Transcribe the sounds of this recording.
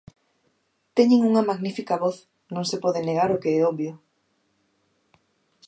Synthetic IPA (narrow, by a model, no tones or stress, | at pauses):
t̪ɛɲeŋuŋɐmaɣnifikɐβɔθ | nõŋsepɔðɪneɣ̞aɾʊkeɛɔβjʊ